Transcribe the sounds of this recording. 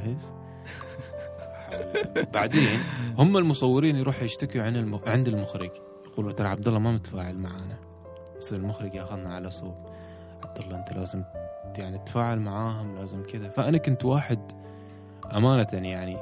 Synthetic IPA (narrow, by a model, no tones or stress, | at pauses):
hɪz | ħabaʕd̪eːnhʊmːalmʊsˤɑwːɪɾiːnjɾuːħjɪʃt̪akuʕɪnʕɪnd̪ɪlmʊxɾɪd͡ʒ | jaquːlbat̪ɑɾˤʕab̚d̪ɑlːɑmamɪt̪ḁfaːʕalmaʕaːna | sˤiːɾɪlmʊxɾɪɡjaxaðnaʕalasˤoːb̚ | ʕab̚d̪ɑlˤːɑʔɪnt̪alʔaːzɪmjaʕnit̪ːḁfaːʕalmaʕaːɦʊmlaːzɪmkɪðafaʔanakʊnt̪waːħɪd̪ | ʔamaːnat̪anjaʕni